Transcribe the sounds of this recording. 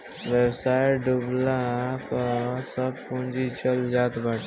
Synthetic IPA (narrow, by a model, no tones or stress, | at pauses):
ʋjəbsajɖublapəsəbpũnd͡ʒit͡ʃəld͡ʒat̪baʈʰ